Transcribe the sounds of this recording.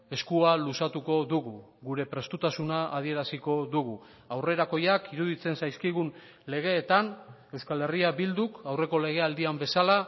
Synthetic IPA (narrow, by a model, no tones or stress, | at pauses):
e̞skualusat̪uko̞ðuɣuɣuɾe̞pɾe̞st̪ut̪asunaːð̞ie̞ɾasiko̞ðuɣ̞u | awre̞ɾako̞jakiɾuðit͡se̞nsajskiɣ̞un | le̞ɣe̞ːt̪an | e̞wskale̞riabild̪ukawre̞ko̞le̞ɣ̞e̞ald̪iambe̞sala